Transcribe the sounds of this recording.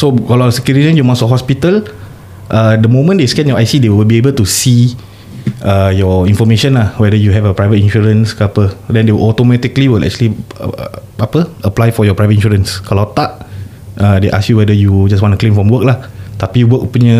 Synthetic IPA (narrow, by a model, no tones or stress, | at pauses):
sokalasəkiɾinə̃jumasɔkɦɔspit̪əl | ʔədəmõmə̃ndeskɛ̃njɔʔajsidewwilbiebəltusi | əjɔĩnfɔmeʃə̃nlahwɛdəjuɦɛvəpɹajvətĩnʃuɹə̃nskəapədɛ̃ndewilʔɔt̪omɛt̪ikliwilɛ̰k̚t͡ʃuəlḭ | apəəplajfɔjɔpɹajvət̚ĩnʃuɾə̃nskalawt̪aʔ̚ | ʔədeʔa̰sjuwɛdəjud͡ʒas̬wɔ̃ntuklẽmfɹɔ̃mwək̚laht̪apijuwək̚puɲə